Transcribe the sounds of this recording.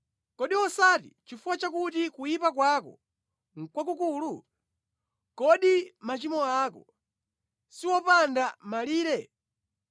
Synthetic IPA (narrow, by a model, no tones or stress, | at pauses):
kɔɗiwɔsatḭt͡ʃifuwat͡ʃakutikujipakwakɔ̰ | ŋ̩kwak̬ukulu | kɔɗimat͡ʃimɔaːkɔ̰ | siwɔpandamaliːɾɛ